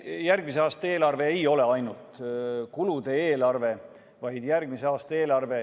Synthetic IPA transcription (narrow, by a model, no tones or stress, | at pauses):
jærɡ̥mis̬eɑːst̪ɑe̞ːlɑrve̞ːejo̞le̞ɑjnult̪ˑkulud̪e̞eːlɑrve̞ | vɑjd̪̥jærɡ̥mise̞ɑːst̪ɑe̞ːlɑrve̞